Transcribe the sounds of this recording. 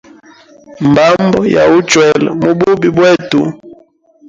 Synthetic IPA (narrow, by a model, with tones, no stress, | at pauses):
m˨ba˦mbɔ˦ja̰˨u˦t͡ʃwɛ˨lɛ̰˨mu˦bu˦bi˨bwɛe˦tu˨